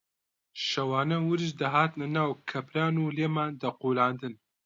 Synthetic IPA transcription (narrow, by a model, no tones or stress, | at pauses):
ʃɐwaːnɐwɨɾɨʃd̪ɐɦaːt̪nɐnaːwkʰɐpɾaːnuːleːmaːnd̪ɐquːlaːnd̪ɨn